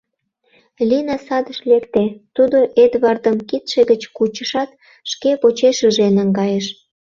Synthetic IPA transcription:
linɑsɑd̪əʃlekt̪et̪ud̪oʔed̪βɑrd̪əmkit̪ʃeɣət͡ɕkut͡ɕəʃɑt̪̚ | ʃkepot͡ɕeʃəʒenəŋɡɑjeʃ

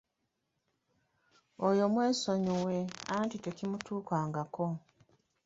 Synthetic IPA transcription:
ojo̞mweːsoɲuweantite̞kimutuːkaːŋɡako

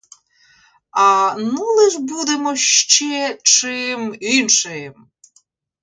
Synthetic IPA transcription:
ɐnulˠɪʒbud̪emɔʃt͡ʃɛt͡ʃɪminʃɪm

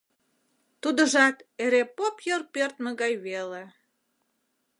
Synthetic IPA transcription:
t̪ud̪əʒɑt̪eɾepopjərpørt̪məɣɑjβele

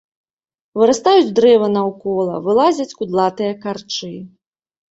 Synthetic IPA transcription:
vɨɾast̪ajud͡zʲd̪ɾɛvɐnɐwkɔlˠɐ̰vɨlˠazʲɐt͡sʲkud̪lˠat̪ɨjɐkart͡ʂɨ

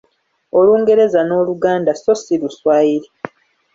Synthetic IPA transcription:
oluːŋɡe̞ɾe̞zano̞ːluɡaːndaso̞siɾuswaːiɾi

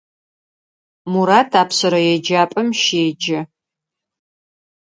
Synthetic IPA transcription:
muɾaːtʰaːpsɐɾɐjɛd͡ʒaːpʼɐmʃeːd͡ʒɐ

